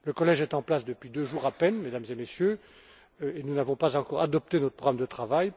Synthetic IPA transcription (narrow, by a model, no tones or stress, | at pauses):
ləkɔlɛʒɛt̪ɑ̃plasd̪əpɥid̪øʒuʁapɛnmed̪amzemesjø | enunavɔ̃pazɑ̃kɔʁad̪ɔp̚t̪enɔt̪χəpχɔɡʁamd̪ət̪χavaj